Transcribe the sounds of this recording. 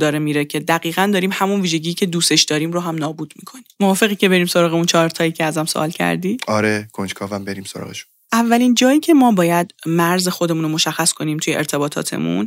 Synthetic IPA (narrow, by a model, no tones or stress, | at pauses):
d̪ɒːɾemiːɾecʰe̞d̪æɣiːɣænd̪ɒːɾiːmhæmunviːʒe̞ɟiːcʰe̞d̪uːse̞ʃd̪̥ɒːɾiːmɾoɦæmnɒːbuːd̪mḭːkʰo̞nimovɒːfe̞ɣiːcʰe̞be̞ɾiːmso̞ɾɒːɣeunt͡ʃʰɒːɾt̪ʰɒːjicʰeæzæmsoʔɒ̰ːlcʰæ̰ɾd̪iːɒɾekʰond͡ʒkʰɒːvæmbe̞ɾiːmsoɾɒ̰ːɣḛʃu̥n | ʔævːælind͡ʒɒːiːcʰe̞mɒːbɒːjæd̪mæɾzexod̪emuːnomoʃæxːæskʰo̞niːmt̪ʰujeʔḛɾt̪ʰe̞bɒːt̪ʰɒ̰ːt̪ʰe̞̰mṵn